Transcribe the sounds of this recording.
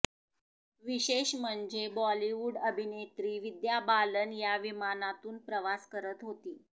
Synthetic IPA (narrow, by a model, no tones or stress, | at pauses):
ʋiɕeɕm̤əɳd͡zebɔliʋuɽəbʱinet̪ɾiːʋid̪jabalənjaʋimanat̪uːnpɾəʋaskəɾət̪ɦot̪iː